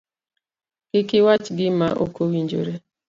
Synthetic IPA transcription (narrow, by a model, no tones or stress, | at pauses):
ɡ̥ɪkɪwat͡ʃɡɪmaʔo̰kowiɲd͡ʒo̰ɾe